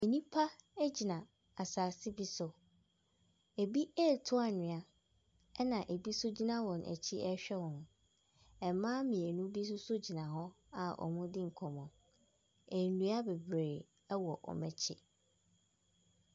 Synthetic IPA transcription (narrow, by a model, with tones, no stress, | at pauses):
e˨nĩ˦pʰa˦æ˦d͡ʑi˨nã˨ | a˨saː˨sɪ˦bi˦sʊ˨ | e˨bi˦ɛ˦˨tʰʊ˦a˨nɪ̃˨a˦ | ɛ˦nã˨ʔe˨bi˦sʊ˦d͡ʑi˦nã˦wɔ̃˨nʔæ̰˨t͡ɕʰi˦ɛ˦ɕᶣɛ˦wɔ̃˨ñ˨ | ɛ˨˦mãː˦mĩ˨e˨nũ˦bi˦s̬ʊ˦sʊ˦d͡ʑi˨nã˨ɦɔ˦ | a˨ʔɔ̰˨mũ˦dɪ̃˦ŋ̩˨kʰɔ̃˨mɔ̃˨ | ɛ˨nũ˦a˦be˨bɾe˨ | ɛ˦wɔ˨ʔɔ̰˨mɛ̃˨t͡ɕʰɪ˦˨